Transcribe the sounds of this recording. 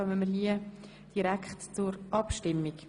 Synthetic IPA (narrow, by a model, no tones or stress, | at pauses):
œməməliə | d̥iɾækχtt͡sʊɾʔɑpʃtɪmːik